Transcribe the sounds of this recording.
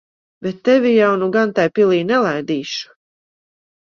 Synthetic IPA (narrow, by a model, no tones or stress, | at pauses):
bɛt̪ːɛvijawnuɡant̪ajpilˠiːnɛlˠajd̪iːʃu̥